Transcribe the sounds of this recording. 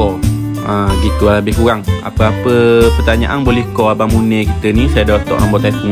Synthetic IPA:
ɔ | ãɡit̪uabɪhkuɾaŋa̰pəapəpərt̪aɲa̰ʔanbolɛhkɔabamunəkit̪ənisajadat̪ɔ̰ʔa̰mbɔʔt̪ait̪u

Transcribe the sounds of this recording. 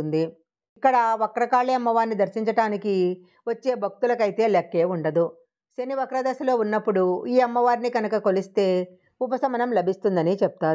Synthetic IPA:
und̪i | ikːɐɽɐʋɐkɐɾɐkaːɭːiɐmːɐʋaːɾnːid̪ɐɾsiɲt͡ʃɐʈaːniki | ʋɐt͡ʃːe̞ːbʱɐk̚t̪ulɐkɐjt̪e̞ːlɐkːe̞ːuɳɖɐd̪u | sɐniʋɐkɾɐd̪ɐsɐlo̞ːunːɐpːuɽuiːɐmːɐʋaːɾiniɡɐnɐkɐko̞list̪e̞ː | up̬ɐsɐmɐnɐmlɐbʱist̪und̪ɐnit͡ʃɛp̚t̪aːɾ

